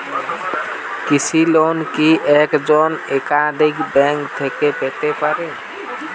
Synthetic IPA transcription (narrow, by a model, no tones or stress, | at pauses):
kit͡ʃʰilonkiʔɛkd͡ʒɔnekad̪ʱikbɛŋkt̪ʰekepet̪epaɾe